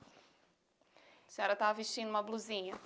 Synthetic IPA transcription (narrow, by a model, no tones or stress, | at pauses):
ɐseɔɾɐt̪aviʃt̪ĩnd̪uumɐbluzĩɲɐ